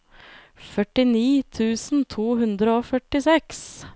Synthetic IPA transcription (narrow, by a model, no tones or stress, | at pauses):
fœʈɪniːt̪ʰʉːsn̩t̪ʰuːɦʉnd̪ɾəoːfœʈɪsɛks